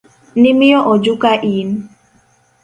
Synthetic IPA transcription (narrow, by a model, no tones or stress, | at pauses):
nɪmɪjɔʔɔd͡ʒʊkaʔin